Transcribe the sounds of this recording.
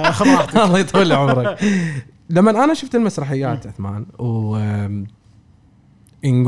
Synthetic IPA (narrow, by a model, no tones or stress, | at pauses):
ɑlˤːɑjt̪ˤalːiʕʊmɾˤɑk | lamːanʔanaʃʊft̪ɪlmasɾˤɑħɪjːaːt̪ʕʊθma̰ːnw | ʔɪnɡ